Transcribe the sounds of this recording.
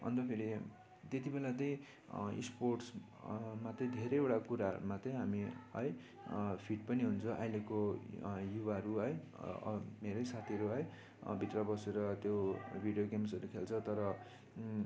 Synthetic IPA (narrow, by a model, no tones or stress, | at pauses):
ʌ̰nt̪ʌpʰeɾi | t̪et̪ibelat̪ʌj̃ | ḭsporʈs | mat̪ʌj̃d̪ʱeɾʌjewʈakuɾaɦʌ̰ɾumat͡sʌj̃ɦamiʌ̰j | pʰiʈpʌniɦunt͡sʰʌʔa̰jlekojubaɦʌɾuɦʌj̰ | meɾʌjsat̪ʰiʌɾuɦʌj | bʱit̪rʌbʌseɾʌt̪jobʱiɖjoɡemsʌɾukʰelt͡sʰʌt̪ʌɾʌ